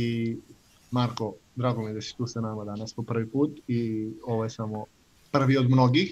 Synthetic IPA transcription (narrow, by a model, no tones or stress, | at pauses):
i | maɾko | d̪ɾaːɡo̞mijed̪asi̥t̪uːsanamad̪anaspo̞pr̩ʋipuːt̪io̞ʋojesamo | pr̩ʋio̞d̪mno̞ɡix